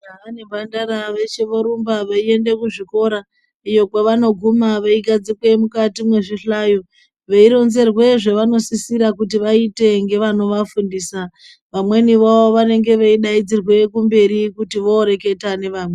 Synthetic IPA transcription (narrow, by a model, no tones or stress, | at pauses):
aane̞bʱandaɾaʋet͡ʃeʋoɾumbaʋaie̞nde̞kuʐiko̞ɾa | ijo̞kwaʋano̞ɡʱumaʋaiɡad͡zikwe̞mukatimwe̞ʐiɬajo | ʋeiɾo̞nze̞rwe̞ʐe̞ʋano̞sisiɾakut̬iʋaite̞ŋɡe̞ʋano̞ʋafundiːsa | ʋamwe̞niʋaʋoʋane̞ŋɡe̞ʋeiɗaid͡zirwe̞kumbe̞ɾikutiʋo̞ːɾe̞ke̞tane̞ʋaːmwe